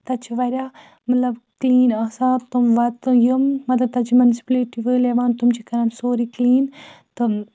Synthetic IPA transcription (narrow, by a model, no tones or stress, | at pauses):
t̪ɐt͡ʃʰiʋɐɾʲjaː | mɐt̪lɐbkliːnaːsaːt̪umʋɐt̪ɨjumːɐt̪lɐb̚t̪ɐt͡ʃʰimɐnsi̥pleːʈiʋɨːleʋaːnt̪umt͡ʃʰikɐɾɐmsoːɾikliːn | t̪ɨ